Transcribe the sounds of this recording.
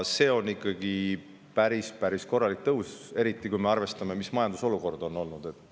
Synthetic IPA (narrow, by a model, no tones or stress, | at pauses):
se̞ːo̞nːikːˑɑɡi | pæɾispæɾisko̞rːɑlik̚t̪ɤɦuse̞ɾit̪ːˑikujme̞ɑrve̞st̪ɑme̞mismɑjɑnd̪uso̞luko̞rd̪̥o̞nːo̞lnud̪̥e̞t̪ːˑ